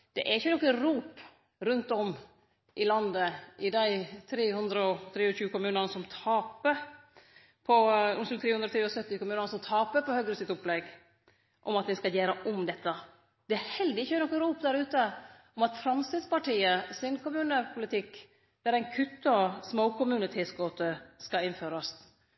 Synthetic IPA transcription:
d̪̥ɛ̰ʔæɾɪçːənɔkːəɾuːp | ɾʉnt̪ɔm | ʔɪlɑnd̪əʔɪd̪æɪt̪ʰɾeːhʉnd̪ɾəɔt̪ʰɾeːɔɕʉːkʊmʉːnənəsɔmt̪ʰɑːpə | pʰɔʊnslt̪ʰɾeːhʉnd̪ɾɔt̪ʰɾːɔsœt̪ːɪkʊmʉːnənəsɔmt̪ʰɑːpəpɔhœɡɾəsɪt̪ʊplɛɡ | ʔɔmɑt̪̚d̪ɛnskɑljæːɾəʔɔmd̪ɛt̪ːə | d̪̥ɛæɾhɛld̪ɪɪçːənɔkːɾuːpd̪æɾʉːt̪ə | ɔmɑt̪fɾɑmsɪd̪spɑʈiːəsɪnkʰʊmʉːnəpʰʊlɪt̪ʰɪkː | d̪̥æɾæɪnkʰʉt̪ːəɑsmoʊkʰʊmʉːnət̪ʰɛːsɡoːt̪əskɑɪnføːɾɑst̪

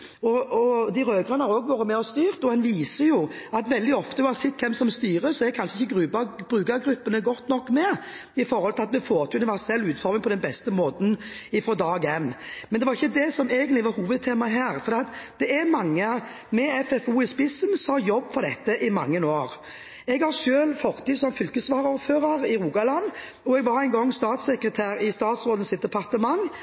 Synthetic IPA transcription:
ɔɔd̪ɪɾøːɡʁɑnəhɑɾoːɡʋoːɾəmɛɔst̪yːʁt̪ɔɛnʋiːsəjʊɑt̪ʋɛld̪ɪɔft̪əɑsɪt̪̚kʰɛmsɔmst̪yːʁəsɔɛɾɛkʰɑnʂəɪçːəɡɾʉbɑbɾʉːɡɑɡɾʉpːənəɡɔt̪ːnɔkːmɛ | ɪfɔɾhɔlt̪ɪlɑt̪̚d̪ɛfoːɾt̪ʰʉnɪʋæʁsɛlːʉːt̪fɔɾmɪŋpʰɔd̪ɛnbɛst̪əmoːt̪n̩ɪfɾɔd̪ɑːɡɛnːmɛnd̪ɛʋɑɾɪçːəd̪ɛsɔmeːɡənlɪʋɑɾhuːʋəd̪̚t̪ʰeːmɑɦæːʁfɔɾd̪ɛːɑt̪d̪̥ɛɛɾmɑŋːə | mɛɛfɛfuːɪspɪsːənsɑjɔbːfɔʁd̪ɛt̪ːəʔɪmɑŋːənoːɾ | ɛɡhɑʂʃøːlfɔʁt̪ʰiːsɔmfʏlkəsʋɑːʁəuɾføːɾəɾɪɾuːɡɑlɑn | ɔɛɡʋɑɾɛɪnɡɔŋːst̪ɑːt̪sɛkɾət̪ʰæːɾɪst̪ɑːt̪sʁoːd̪ən̩sɪt̪̚d̪ɛpʰɑʁt̪əmɑŋ

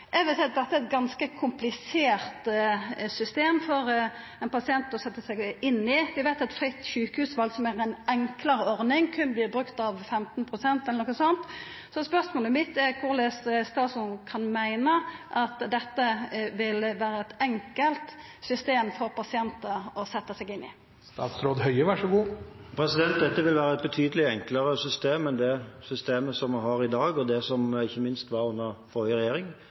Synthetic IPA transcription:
ʔɛʋɪsɛːɑt̪̚d̪ɛt̪ːəæɾɛt̪̚ɡɑnskəkʰʊmplɪseːɾt̪sʏst̪eːmfɔɾ | ɛnpʰɑsɪɛnt̪ɔsɛt̪ːəsæɪɡɪnːɪʋɪʋæɪt̪ɛt̪fɾɪt̪ːɕʉːkəhʉːsʋɑlsɔmæʁɛnʔɛŋkləɾəɔɾnɪŋkʰʉnəbliːbɾʉkt̪ɑʋfɛmt̪npʰʁʊsɛnt̪ɛlənɔkːəsɔnt̪ | sɔspœʁsmoːləmɪt̪ːɛɾkʰʊʁlɛsst̪ɑːsʊnkʰɑnmæɪnəʔɑt̪d̪ɛt̪ːəʋɪlʋæːɾəɛt̪ɛŋkəlt̪ | sʏst̪eːmfɔɾpɑsɪɛnt̪əɔsɛt̪ːəsɛɡɪnːɪ̰ | st̪ɑ̰ːt̪sɾoːd̪ɦœʏəʋæʂɔɡuːpʰɾɛsɪd̪ɛnt̪̚d̪ɛt̪ːəʋɪlʋæːɾəɛt̪̚bɛt̪ʰyːd̪əlɪɛŋkləɾəsʏst̪eːmɛnd̪ɛsʏst̪eːməsɔmʋɪɦɑɾɪd̪ɑːɡɔd̪ɛsɔmɪçːəmɪnst̪ʋɑɾʉnːəʁfɔɾəʁɛjeːɾɪŋ

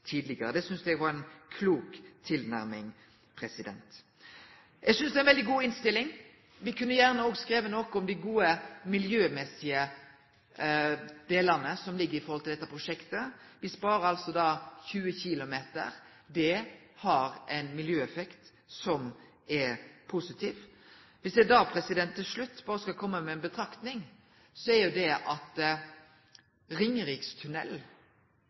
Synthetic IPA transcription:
t̪ʰiːd̪lɪɡəɾəd̪ɛsʏnsd̪ɛɡʋɑɾɛɪnkʰluːkt̪ʰɪlnæɾmɪŋ | pʰɾɛsɪd̪ɛ̰nt̪ | jɛɡsʏnsd̪ɛæɪnʋɛld̪ɪɡuːɪnst̪ɪlːɪŋ | ʋɪkʰʉnːəjæʁnəoːɡskɾeːʋənɔkɔmd̪ɪɡuːəmɪljøːmɛsɪə | d̪̥eːləʁnəsɔmlɪɡːəɾɪfɔɾɔlt̪ɪld̪ɛt̪ːəpʰɾʁʊʂɛkt̪əʋɪspɑːɾəɾɑlsɔd̪ɑːçʉːəçɪlʊmeːt̪ə̰ɾ | d̪ɛ | hɑɾɛɪnmɪljøːɛfɛkt̪ | sɔm | ɛpʰusɪt̪ʰiːʋʋɪsd̪ɛd̪ɑːpʰɾɛsɪd̪ɛnt̪ʰːɪlʂɭʉt̪ːbɑːɾəskɑlkʰɔmːəmɛːnbət̪ʰɾɑkt̪nɪŋ | sɔɛɾjʊd̪ɛʔɑt̪ | ɾɪŋːɾɪkst̪ʰʉnɛ̰l

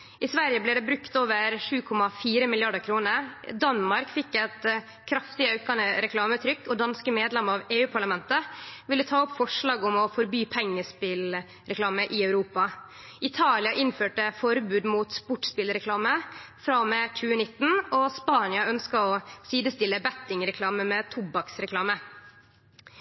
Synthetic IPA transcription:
ʔɪsʋæɾjəblɛːɖɛːbɾʉkt̪oːʋəɾʂʉːkʰɔmɑfiːɾəmɪljɑɖəkʰɾuːnəɾd̪ɑnmɑɾkfɪkːɛt̪ | kʰɾɑft̪ɪɑʉkɑnəɾɛkʰlɑːmət̪ʰɾʏkːɔd̪ɑnskəmeːd̪lɛməɑːʋeːʉːpʰɑɭɑmɛnt̪əʋɪlːət̪ʰɑːɔpːfɔʂɭɑːɡɔmɔfɔɾbyːpʰɛŋːəspɪl | ɾɛklɑːməʔɪɑʉɾuːpɑ | ʔɪt̪ʰɑːlɪɑʔɪnføːʈəfɔɾbʉːd̪muːt̪spʊʈspɪlɾɛkʰlɑːmə | fɾɑmɛc͡çʉːənɪt̪ːn̩ɔspɑːnɪɑœnskɑɔsiːd̪əst̪ɪlːəbæt̪ɪŋɾɛkʰlɑːməmɛt̪ʰʊbɑksɾɛklɑːmə

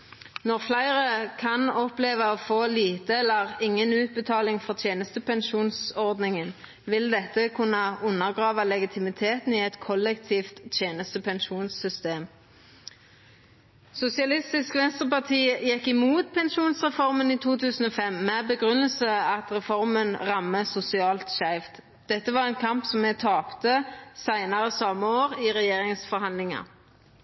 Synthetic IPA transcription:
nɔʁflæɪʁəkʰɑnɔpleːʋəɔfoːliːt̪əɛlːəʁɪŋːənʉːt̪̚bət̪ʰɑːlɪŋfɔʁt̪ʰjeːnəst̪əpɛnʃuːnsɔʁd̪nɪŋən | ʋɪld̪ɛt̪ːəkʰʉnːəʊnːəʁɡʁɑːʋəlɛɡɪt̪ʰɪmɪt̪ʰeːt̪n̩iɛt̪kʰɔlɛkt̪ʰiːft̪ʰjeːnəst̪əpʰɛnʃuːnsʏst̪eːm | sʊsɪɑlɪst̪ɪskʋɛnst̪ʁəpɑt̪ʰiːjɛkːɪmuːt̪̚pʰɛnʃuːnsʁɛfɔʁməniːt̪ʰuːt̪ʰʉːsn̩oːfɛmːɛbəɡʁʉnəlsəɑt̪ʁɛfɔʁmənʁɑmːəsʊsɪɑːlt̪ʃæɪft̪ | d̪̥ɛt̪ːəʋɑːʁɛnkʰɑmpsɔmːɛt̪ʰɑːpt̪əsæɪnɑʁəsɑmːəoːʁɪʁɛjeːʁɪŋsfɔʁhɑnd̪lɪŋɑ̰

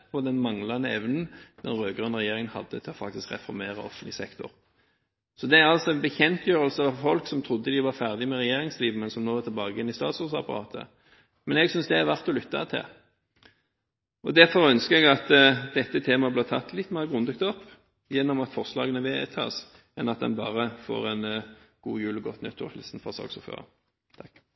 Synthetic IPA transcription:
pʰɔd̪ɛnmɑŋlɑnəɛʋnn̩d̪̥ɛnʁøːɡɑnʁɛjeːɾɪŋənhɑ̰d̪ːət̪ʰɪlɔfɑ̰k̚t̪ɪskʁɛ̰fɔɾmeːʁɑ̰ɔ̰fənlɪsɛkt̪ʊ̰ʁ | sɔd̪ɛæɾɑlsɔɛnbəçɛnt̪jøːʁəlsəɑʋfɔlksɔmt̪ʰʁʊd̪ːəd̪ɪʋɑɾfæʁd̪ɪmɛʁɛjeːɾɪŋsliːʋmɛnsɔmnoːɛʁt̪ʰlbɑːɡəɪnːɪst̪ɑːt̪sɔʁsɑ̰pɑʁɑ̰ːt̪ʰə̰ | mɛnɛɡsʏnsd̪ɛæʋæʁt̪ɔlʏt̪ːɑ̰t̪ʰɪ̰l | ʔɔd̪æʁfɔɾœnskəɛɡɑt̪d̪ɛt̪ːət̪ʰeːmɑblɪːt̪ʰɑ̰t̪ʰːlɪt̪ːmæʁɡʁʉnd̪ʉk̚t̪ɔpː | jɛnːɔmɑt̪fɔʁslɑ̰ːɡənəʋɛt̪ʰɑ̰ːs | ɛnɑt̪d̪ɛ̰nbɑ̰ːʁəfo̰ːʁɛnɡ̥uːjʉːlɡɔt̪ːnœt̪ːɔ̰hɛ̰lsn̩fɔsɑ̰ːɡsɔfø̰ːʁə̰ | t̪ʰɑkː

